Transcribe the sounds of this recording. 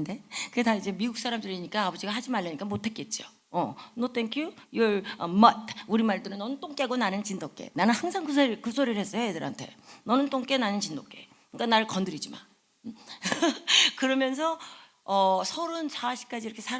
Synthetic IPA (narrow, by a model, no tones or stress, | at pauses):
nde̞kɯedaid͡ʑe̞miɡuk̚s͈aɾamdɯɾiɲik͈aːbʌd͡ʑiɡaɦad͡ʑimaɭːɯɲik͈amotʰe̞k͈e̞t̚t͡ɕ͈io̰ | ʌnotʰeŋkʰjuiɭʌmʌtuɾimaɭdɯɾɯnːʌnɯnt͈oŋk͈eɡonanɯnt͡ɕindok͈e̞̰nanɯnhaŋsʰaŋkusʰkusʰoɾiɾhe̞s͈ʌjojedɯɾɦa̰ntʰe̞̰nʌnɯnt͈oŋk͈e̞nanɯnt͡ɕindok͈e̞ | ɯk͈anaɾɯɭkʌndɯɾid͡ʑima̰n | kɯɾʌmjʌnsʰʌ | ʌsʰʌɾɯnsaaɕʰi̥k͈ad͡ʑiɾʌkʰesʰa